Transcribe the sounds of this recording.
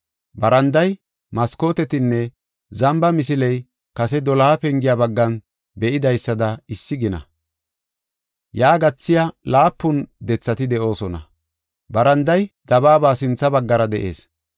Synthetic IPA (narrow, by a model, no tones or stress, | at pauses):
bɐɾɐnd̪ɐj | mɐsko̞ːt̪ɛt̪ɪnːɛ | zɐmbɐmɪsɪlɛj | kɐsɛd̪ɔlaːpɛŋɡɪjaːbɐɡːɐn | bɛʔɪd̪ɐjsːɐd̪ɐɪsːɪɡɪnɐ̰ | jaːɡɐt͡sːɪjalaːpːʊnd̪ɛt͡sːɐt̪ɪd̪ɛʔo̞ːsɔnɐ̰ | bɐɾɐnd̪ɐjd̪̥ɐbaːbaːsɪnt͡sːɐbɐɡːɐɾɐd̪ɛʔe̞̰ːs